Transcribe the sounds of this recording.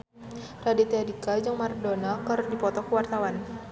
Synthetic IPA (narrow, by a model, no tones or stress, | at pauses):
radit̪eadikad͡ʒaŋmardɔnakaɾʊndipɔt̪ɔkəwart̪awan